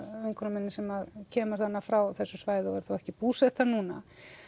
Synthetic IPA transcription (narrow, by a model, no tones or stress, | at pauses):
œjŋkʰɔnamɛnːɪsɛmaðcʰɛːmast̪θanːafɾawθɛsːʏsvaːjðɪɔɣɛɾ̥θawɛhcɪpuːsɛt̪aɾnuːna